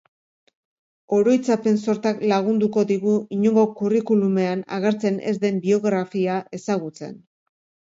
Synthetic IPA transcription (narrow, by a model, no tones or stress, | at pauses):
o̞ɾo̞jt͡sape̞nso̞ɾt̪aklaɣ̞und̪uko̞ðiɣuiɲoŋɡo̞kurikulume̞ana̰ɣe̞ɾt͡se̞ne̞̰zd̪e̞mbio̞ɣɾafiaʔe̞saɣ̞ut͡se̞̰n